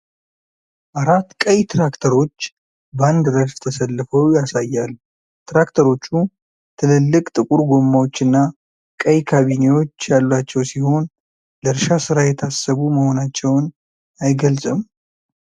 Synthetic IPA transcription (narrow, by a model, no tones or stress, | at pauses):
ʔaɾat̪ːkʼəjt̪ʰɾakt̪ʰəɾo̞t͡ʃː | band̪ɾəɾst̪ʰəsəlːɨfəwjasajːal | t̪ʰɾakt̪ʰəɾo̞t͡ʃːu | t̪ʰɨlɨlːɨkʼt̪ʼɨkʼuɾɡomːawo̞t͡ʃːɨnːa | kʼəjkʰaβine̞wo̞t͡ʃːjalːwat͡ʃːɛwsiho̞n | ləɾʃasɨɾajɛt̪ʰasəβuməho̞nat͡ʃːɛwn | ajɡəlsʼɨm